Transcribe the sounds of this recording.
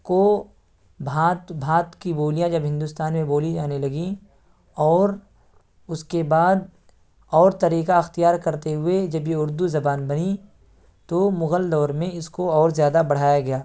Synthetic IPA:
ko | bʱãːt̪bʱãːt̪kiboːlijãd͡ʒɐbɦɪ̃nd̪ʊst̪aːnmẽboːlid͡ʒaːnelɐɡi | ɔːɾ | ʊskebaːd̪ | ɔːɾt̪ɐɾiːkaɐxt̪ijaːɾkɐɾt̪eɦʊed͡ʒɐbjeʊɾd̪uzɐbaːnbɐni | t̪omʊɣəld̪ɔːɾmẽɪskoɔːɾzjaːd̪abɐɽ̤aːjaɡɐjaː

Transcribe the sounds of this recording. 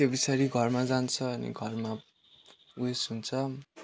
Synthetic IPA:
ebisaɾiɡʱʌrmad͡zant͡sʰʌʌnḭɡʱʌrma | uesɦunt͡sʰʌ

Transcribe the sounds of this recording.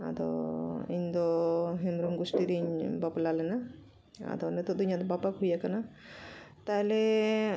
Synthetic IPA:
a̰d̪ɔ̰iɲd̪ɔɦɛmɾɔmɡusʈiɾiɲbaplalɛna | a̰d̪ɔnɛt̪ud̪uɲad̪ɔbapakɦujakana | t̪aɦɛlɛ

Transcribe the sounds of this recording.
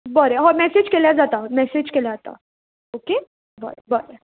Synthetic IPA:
bəɾeɦɔmɛsed͡ʒkelad͡zat̪amɛsed͡ʒkelad͡zat̪a̰ | oke | bɔ̰ɾebəɾe

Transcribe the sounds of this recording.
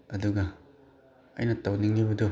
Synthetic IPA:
ɐduɡɐ | ɐ̰jnɐtawniŋnibɐdu

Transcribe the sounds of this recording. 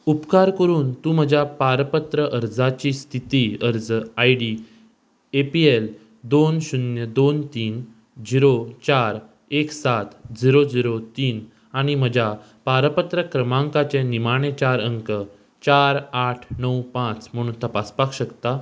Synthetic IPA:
upkaɾkəɾuːnt̪ũm̤əd͡ʑʱapaɾpət̪ɾəʔəɾd͡zat͡ɕiːst̪ʰit̪iəɾd͡zajɽi | epiel | d̪onɕunjəd̪ont̪iːn | d͡ziɾot͡ɕaɾ | eksat̪d͡ziɾod͡ziɾot̪iːn | aɽ̃im̤əd͡ʑʱa | paɾpət̪ɾəkɾəmãŋkat͡ɕẽnimaɽ̃et͡ɕaɾəŋkə | t͡ɕaɾaʈʰnəwpãt͡sm̤əɽ̃uːnt̪əpaspakɕəkt̪a

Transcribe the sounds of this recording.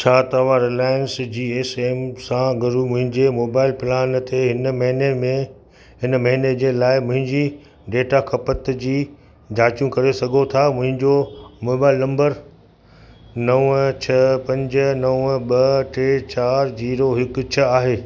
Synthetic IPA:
t͡ɕʰaːt̪ɐʋaɾelaːɪnsd͡ʑiːeːseːmsãɡɐɾumʊ̃ɦɪ̃ɲd͡ʑemoːbaːɪlpɪlaːnt̪eɦɪnmɐɦnemẽ | ɦɪnmɐɦɪned͡ʑeːlaːɪmʊ̃ɦɪ̃ɲd͡ʑiː | ɖeːʈakʰɐpət̪d͡ʑiː | d͡ʑʱaːt͡ɕjũkɐɾesɐɡʱot̪ʰamʊ̃ɦɪ̃ɲd͡ʑomoːbaːɪlnɐ̃mbəɾ | nɐʋt͡ɕʰɐpɐ̃ɲd͡ʑə̆nɐʋɓɐʈeːt͡ɕaːɾd͡ʑiːɾoɦɪkʊ̆t͡ɕʰɐaːɦeː

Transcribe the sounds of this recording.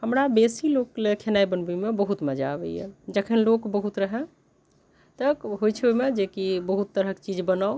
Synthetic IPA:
həmɾabesilokːlekʰenaibənbimebəɦut̪məd͡ʒa̰bɛ̰jjɛ̰d͡ʒəkʰənlokbəɦut̪ɾəɦɛ̃ | t̪əkɦojt͡ʃʰojmed͡ʒekibəɦut̪ːəɾəkt͡ʃid͡ʒbənao

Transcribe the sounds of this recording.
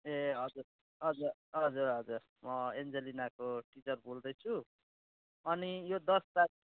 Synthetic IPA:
eɦʌd͡zur | ɦʌd͡zurɦʌd͡zurɦʌd͡zur | mʌend͡zelinakoʈit͡sʌrbʱold̪ʌjt͡sʰu | ʌnijod̪ʌstak̚

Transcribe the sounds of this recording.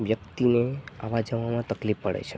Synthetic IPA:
ʋjək̚t̪inea̰ʋad͡ʒəʋamãt̪əklifːəɽḛt͡ʃʰe

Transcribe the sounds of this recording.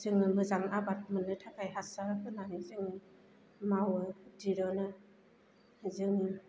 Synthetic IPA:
zɯŋnɯmɯzaŋabat̚mɯnːɯtʰakajɦasaɾakʰɯnanizɯŋi | mawɯdiɾɔnɯ | zɯŋi

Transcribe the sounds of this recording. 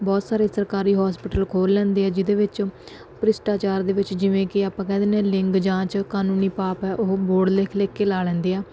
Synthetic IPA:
bɔːt̪saːɾeːsəɾkaːɾiːɦɔːspɪʈəlkʰoːlːɛ̃ːnd̪eːɛːd͡ʒɪd̪eːʋɪt͡ʃ | pɾɪsʈaːt͡ʃaːɾd̪eːʋɪt͡ʃd͡ʒɪʋẽːkɪaːpãːkɛ̃ːd̪eːnɛ̃ːlɪŋɡd͡ʒãːt͡ʃkaːnuːniːpaːpɛːʔʊɦboːɖleːkʰleːkːeːlaːlɛ̃ːnd̪eːɛː

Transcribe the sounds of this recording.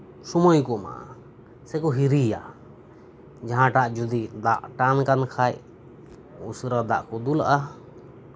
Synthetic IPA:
sɔmɔjkɔma̰ʔa̰ | sɛkɔɦiɾija | d͡ʒaɦãʈaʔd͡ʒud̪id̪aʔʈankankʰaj | usɾad̪aʔkɔd̪ula̰ʔa

